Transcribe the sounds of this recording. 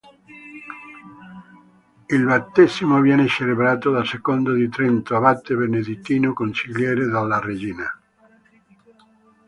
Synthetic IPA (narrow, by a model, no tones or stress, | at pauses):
ilbat̪ːezimovjɛneseleβɾaːt̪od̪asekond̪od̪it̪ɾent̪oaβat̪ːeβened̪it̪ːiːnokonsiljɛːɾed̪alːared͡ʒiːna